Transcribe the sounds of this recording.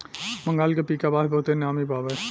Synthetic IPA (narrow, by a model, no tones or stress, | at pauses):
mɐ̃ŋɡaːlkepiːkabaːɦbɔːt̪enjaːmibaːbə